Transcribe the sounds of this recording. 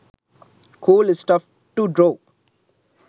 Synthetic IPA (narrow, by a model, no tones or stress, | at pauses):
kʰuːlɪsʈʌf | ʈuɖɾoː